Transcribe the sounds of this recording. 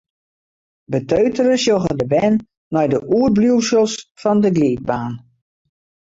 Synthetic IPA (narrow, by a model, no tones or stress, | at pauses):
bətøɥtərəsjoɣədəbɛnː | ɔjdəʔuər̚bljuwsəlˠsfɔndəɡliːk̚baːn